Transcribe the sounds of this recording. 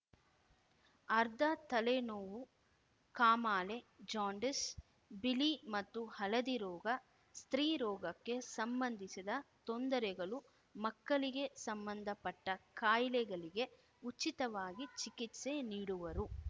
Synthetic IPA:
ɐɾd̪ʱɐt̪ɐlenoːʋu | kaːmaːled͡ʒaːɳɖes | bilimɐt̪ːuhɐlɐd̪iɾɔːɡɐ | st̪ɾiːɾɔːɡɐkːe̞sɐmbɐnd̪ʱisid̪ɐt̪ond̪ɐɾɛɡɐɭu | mɐkːɐɭiɡe̞sɐmbɐnd̪ʱɐpɐʈːɐkaːjlɛɡɐɭiɡe̞ | ut͡ʃːit̪ɐʋaːɡit͡ʃikit̪seniːɽuʋɐɾu

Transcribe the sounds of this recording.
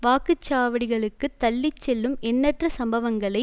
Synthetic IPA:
ʋaːkɯt͡ʃːaːʋɐɽɪɣɐɭɯkːɯt̪ːɐlːɪt͡ʃːɛlːɯmɛnːɐʈrɐsɐmbɐʋɐŋɡɐɭɐɪ

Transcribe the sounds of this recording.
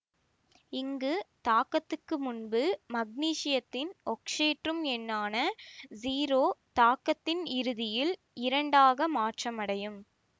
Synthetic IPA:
ɪŋɡɯt̪aːkːɐt̪ːɯkːɯmʊnbɯmɐɡ̚niːʂɪjɐt̪ːɪnɔkʂeːʈrɯmɛnːaːnɐziːɾoːt̪aːkːɐt̪ːɪnɪɾɯðɪjɪl | ɪɾɐɳɖaːɣɐmaːʈrɐmɐɽɐjɯm

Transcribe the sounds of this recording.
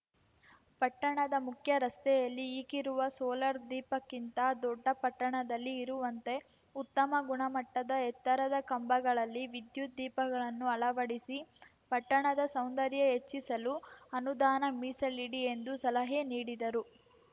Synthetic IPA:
pɐʈːɐɳɐd̪ɐmukʰjɐɾɐst̪ɛjɐlːiːkiɾuʋɐsoːlɐɾd̪iːpɐkːint̪ɐd̪ɔɖːɐpɐʈːɐɳɐd̪ɐlːiːɾuʋɐnt̪e̞ | ut̪ːɐmɐɡuɳɐmɐʈːɐd̪ɐɛt̪ːɐɾɐd̪ɐkɐmbɐɡɐɭɐlːiʋid̪jud̪iːpɐɡɐɭɐnːuɐɭɐʋɐɽisi | pɐʈːɐɳɐd̪ɐsɐwnd̪ɐɾjɐɦe̞t͡ʃːisɐluɐnud̪aːnɐmiːsɐliɽie̞nd̪usɐlɐɦeːniːɽid̪ɐɾu

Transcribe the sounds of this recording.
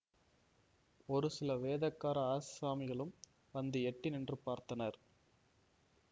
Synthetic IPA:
ɔɾɯsɪlɐʋeːðɐkːaːɾɐaːssaːmɪɣɐɭɯm | ʋɐnd̪ɯɛʈːɪnɛndrɯpaːɾt̪ɐnɐɾ

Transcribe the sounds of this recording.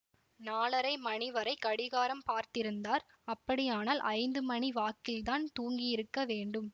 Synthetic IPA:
naːlɐɾɐɪmɐɳɪʋɐɾɐɪkːɐɽɪɣaːɾɐmpaːɾt̪ɪɾɯnd̪aːɾ | ɐpːɐɽɪjaːnaːlʔɐɪnd̪ɯmɐɳiʋaːkːɪlt̪aːnt̪uːŋɡijɪɾɯkːɐʋeːɳɖɯm

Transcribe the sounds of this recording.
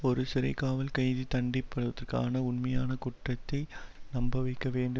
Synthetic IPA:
ɔɾɯsɪɾɐ̰ɪkaːʋɐlkɐɪðit̪ɐɳɖɪpːɐɽɯʋɐðɐrka̰ːnɐʊnmɐjaːnɐkʊʈrɐt̪ːɐɪnɐmbɐʋɐɪkːɐʋeːɳɖɯ

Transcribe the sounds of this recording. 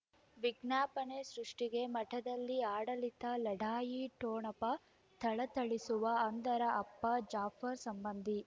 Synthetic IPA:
ʋiɡnjaːpɐnesɾuʂʈiɡe̞mɐʈʰɐd̪ɐlːiaːɽɐlit̪ɐlɐɖaːjiʈoːɳɐpɐ | t̪ʰɐɭɐt̪ɐɭisuʋɐɐnd̪ɐɾɐʔɐpːɐd͡ʒaːpʰɐɾsɐmbɐnd̪ʱi

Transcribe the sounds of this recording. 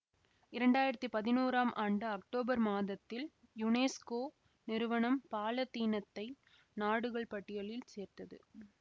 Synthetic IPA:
ɪɾɐɳɖaːjɪɾɐt̪ːɯpɐðɪnuːɾaːmʔaːɳɖɯɐkʈoːbɐɾmaːðɐt̪ːɪl | jʊneːskoː | nɪɾɯʋɐɳɐmpaːlɐt̪ːiːnɐt̪ːɐɪ | naːɽɯɣɐɭpɐʈːɪjɐɭɪlseːɾt̪ɐðɯ̰

